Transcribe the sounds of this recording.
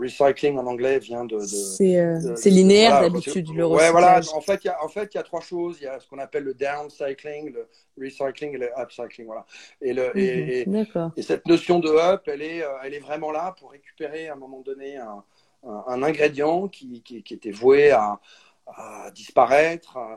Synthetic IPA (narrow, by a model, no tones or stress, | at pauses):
ʁisajkliŋɑ̃nɑ̃ɡlɛvjɛ̃d̪əd̪əsɛsɛlineɛʁlad̪aisyd̪ləʁwɛvwalãɑ̃fɛt̪iljaɑ̃fɛt̪ijat̪χwaʃozijasə̥kɔ̃napɛlːəd̪ɛʁmsajklĩŋlə | ʁisajklĩŋeləapsajklĩŋvwalaeləed̪akɔʁesɛt̪nɔsjɔ̃d̪əœpɛlɛøɛlɛvʁɛmɑ̃lapuʁːekʲy̥peʁeɛ̃ːmɔmɑ̃d̪ɔneɛ̃ | ɛ̃ːnɛ̃ɡʁed̪jɑ̃kʲikʲikʲiet̪ɛvwea | ad̪ispaʁɛt̪χ